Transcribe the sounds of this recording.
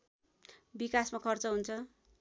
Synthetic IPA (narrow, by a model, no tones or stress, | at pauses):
bikasmakʰʌrt͡sʌɦunt͡sʰʌ